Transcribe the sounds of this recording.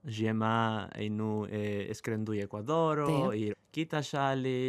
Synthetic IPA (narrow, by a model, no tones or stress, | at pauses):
ʒiɛmaḛnuɛɛ̰skɾend̪ujɛkwaðɔɾoikit̪aʃali